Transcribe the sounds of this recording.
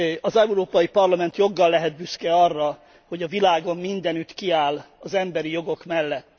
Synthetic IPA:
ɒzɛuɾoːpɒjipɒrlɒmɛnt̪jo̞ɡːɒlːɛɦɛd̪̚byskɛɒrːɒ | ho̞ɟɒvilaːɡo̞mːind̪ɛnyt̪kiaːl | ɒzɛmbɛɾijo̞ɡo̞kmɛlːɛt̪ː

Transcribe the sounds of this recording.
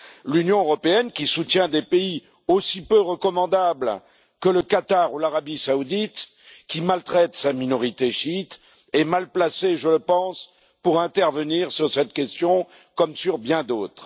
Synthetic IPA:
lynjɔ̃øʁɔpeɛnkʲisut̪jɛ̃d̪epei | osipøʁəkɔmɑ̃d̪abl | kələkat̪aʁulaʁabisaud̪it̪ | kʲimalt̪χɛt̪saminɔʁit̪eʃit̪ | ɛmalplaseʒələpɑ̃s | puʁɛ̃t̪ɛʁvəniʁsyʁsɛt̪kʲɛst̪jɔ̃ | kɔmsyʁbjɛ̃d̪oːt̪χ

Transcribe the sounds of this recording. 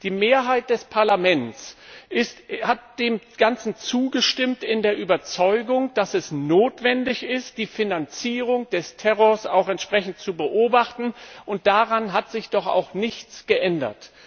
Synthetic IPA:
d̥iːmeːɐɦaɪt̚d̥ɛspʰaɐlamɛnt͡sʔɪsthat̚d̥eːm | ɡ̥ant͡sn̩t͡suːɡəʃtɪmtɪndeːɐʔyːbɐt͡sɔʏɡʊŋd̥asɛsnoːtv̥ɛndɪçɪst̚d̥iːfinant͡siːʁ̞ʊŋd̥ɛstʰɛʁɔɐsaʊxɛntʃpʁ̥ɛçn̩t̚t͡subəʔoːbaχtn̩ʔʊnt̚d̥aʁanɦatz̥ɪçd̥ɔχa̰ʊxnɪçt͡sɡ̥əʔɛndɐ̰t

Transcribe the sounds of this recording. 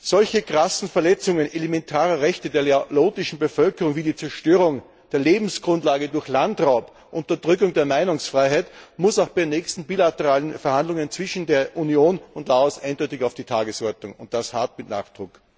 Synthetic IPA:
zɔlçəɡʁ̥asn̩fɛɐlɛt͡sʊŋənelemɛntʰaːʁɐʁɛçtədeːɐleloːtɪʃn̩bəfœlkəʁʊŋviːdiːt͡sɛɐʃtøːʁʊŋ | d̥eːɐleːbm̩sɡ̥ʁʊntlaːɡədʊɐçlantʁaʊp | ʔʊntɐd̥ʁʏkʊŋdeːɐmaɪnʊŋsfʁ̥aɪɦaɪtmʊsaʊxb̥aɛɪnɛːçstn̩biːlatəʁaːlənfɛɐhandlʊŋənt͡sv̥ɪʃn̩deːɐʔunijoːnʊntlaɔsʔaɪnd̥ɔʏtɪçaʊfd̥iːtʰaːɡəsɔɐtnʊŋʊnt̚d̥ashatmɪtna̰ːχd̥ʁʊk

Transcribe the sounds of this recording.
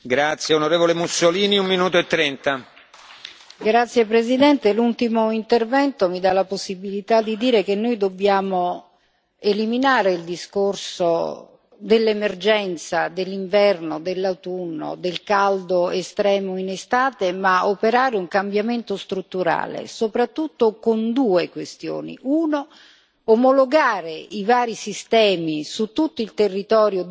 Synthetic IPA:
ɡɾat̪sjeonoɾeːvolemusːoliːniumminuːt̪oet̪ːɾɛnt̪a | ɡɾat̪sːjepɾezid̪ɛnt̪elult̪imoint̪ervɛnt̪omid̪alaposːibilit̪ad̪ːid̪iːɾek̟enːojd̪obːjaːmo | eliminaːɾeild̪iskorso | d̪elːemerd͡ʒɛnt̪sad̪elːiɱvɛrnod̪elːawt̪unːo̰d̪elkald̪oest̪ɾɛːmoinest̪aːt̪emaopeɾaːɾeuŋkambjament̪ost̪ɾut̪ːuɾa̰ːlḛsopɾat̪ːut̪ːokond̪uːekwest̪jo̰ːnḭʔuːno | omoloɡaːɾeivaːɾisist̪ɛːmisut̪ːut̪ːoilt̪erːit̪ɔːɾjo

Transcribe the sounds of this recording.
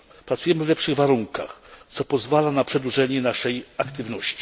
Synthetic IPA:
pɾat̪sujɛmɘvlɛpʂɘɣvaɾuŋka̰xt̪sɔpɔzvalanapʂɛd̪wuʐɛɲɛnaʂɛjakt̪ɘvnɔɕt͡ɕi̥

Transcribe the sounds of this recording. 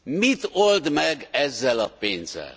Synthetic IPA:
mit̪old̪mɛɡɛzːɛlɒpeːnzɛ̰l

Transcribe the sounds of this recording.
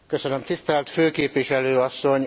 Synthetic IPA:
kø̞sønømt̪ist̪ɛlt̪føːkeːpʋiʃɛløːɒsːo̞ɲ

